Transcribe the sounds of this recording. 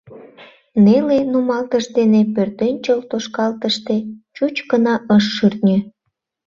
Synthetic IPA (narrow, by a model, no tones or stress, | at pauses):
nelenumɑlt̪əʃd̪enepørt̪enʲt͡ɕəlt̪oʃkɑlt̪əʃt̪et͡ɕut͡ɕkənɑʔəʃːyrt̪nʲe